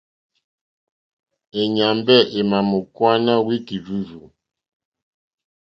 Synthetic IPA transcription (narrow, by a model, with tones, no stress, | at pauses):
e˨ɲa˨mbɛ˦˨ʔe˨ma˨mu˨kwa˦na˦wi˦ki˨d͡ʒu˦zu˨